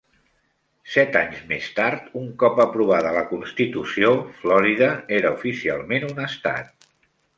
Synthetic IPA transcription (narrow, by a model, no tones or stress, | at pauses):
sɛt̪aɲzmest̪aɾt̪uŋkɔpəpɾuβ̞aðələkunst̪it̪usioflɔɾiðəeɾəufisialˠmenunəst̪a̰t̪̚